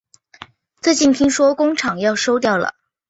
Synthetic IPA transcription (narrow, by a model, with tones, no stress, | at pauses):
t͡sɤ˥˧t͡ɕi˥˩nt̪ʰi˥ŋʂwɔ˥kʊ˥ŋʈ͡ʂʰɑ˨˩ŋjɑ˥˩ʊʂo˥ʊt̪̬jɑ˥˩ʊlə̰˩